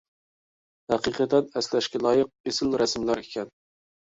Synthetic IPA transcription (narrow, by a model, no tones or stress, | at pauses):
hæqiqət̪ɛnɛslɛʃkʲɛlˠɑːjəq̚esɪlɾɛsmlæɾekʲʰɛn